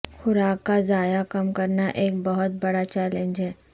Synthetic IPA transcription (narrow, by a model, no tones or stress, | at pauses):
xʊɾaːkːazaːjakɐmkɐɾnaʔeːk̚bɐɦʊt̪̚bɐɽat͡ʃɛːlẽːnd͡ʒɦɛː